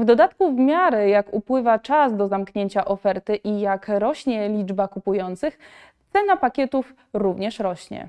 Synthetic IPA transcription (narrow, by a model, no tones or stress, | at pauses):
vd̪ɔd̪at̪kuvmʲjaɾɘjakupwɘvat͡ʂasd̪ɔzamkɲeɲt͡ɕaʔɔfɛɾt̪ɘʔijakɾɔɕɲɛlʲid͡ʐbakupujɔnt̪sɘx | t̪sɛnapakʲɛt̪uf | ɾuvɲɛʂɾɔɕɲɛ̰